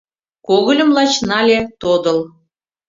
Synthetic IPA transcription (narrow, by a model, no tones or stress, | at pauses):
koɣɤ̆lʲə̆mlˠɑt͡ɕnɑlʲet̪od̪ɤ̆lˠ